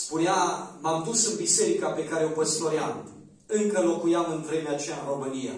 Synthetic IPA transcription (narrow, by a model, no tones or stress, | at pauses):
spuneamamd̪usɨnbise̞ɾikape̞kaɾeopəsloɾjam | ɨŋkəlo̞kujamɨnvɾe̞meat͡ʃejanɾo̞mɨnija̰